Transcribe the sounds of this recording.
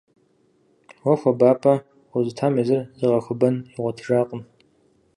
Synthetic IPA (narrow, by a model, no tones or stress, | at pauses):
wɔxʷɔbaːpʰʼɐ | wʷʊzɨtʰaːmizɨrzɨʁɐxʷʊbɐniʁʷɔtʰɨʒaːqʼəm